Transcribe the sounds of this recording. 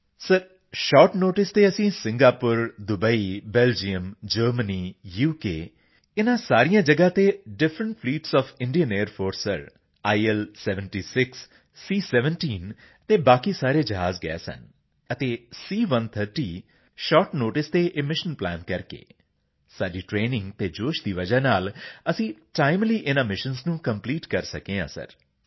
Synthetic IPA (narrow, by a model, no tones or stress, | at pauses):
səɾ | ʃɔːʈnoːʈɪst̪eːəsĩːsɪ̃ŋɡaːpʊɾd̪ʊbəiːbɛːld͡ʒiəmd͡ʒəːɾməniːjuːkeː | ɪnãːsaːɾijãːd͡ʒəɡãːt̪eːɖɪfʰɾəɳʈ̚pʰliːʈsɔːfʰɪ̃ɳɖijəneːəɾpʰoːɾsəɾ | aːiɛlsɛːʋəɳʈiːsɪksː | iːsɛːʋəɳʈiːn | t̪eːbaːkiːsaːɾeːd͡ʒəɦaːzɡɛ̰ɛ̰ːsə̰n | ət̪eːsiːʋənt̪ʰəɾʈiː | ʃɔːʈnoːʈɪst̪eːʔɪmɪʃənplɛ̰ːnkəɾkḛː | saːɖiːʈɾeːnɪ̃ŋɡt̪eːd͡ʒoːʃd̪iːʋəd͡ʒaːnaːləsĩːʈaːɪmliːʔɪnãːmɪʃənznũːkəmpliːʈkəɾsəkẽːã̰ːsə̰ɾ